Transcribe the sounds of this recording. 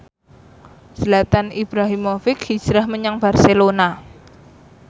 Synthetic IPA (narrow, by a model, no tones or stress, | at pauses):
slat̪anib̥ɾaɦimofɪkhi̥d͡ʒ̥ɾahməɲaŋb̥a̤rselona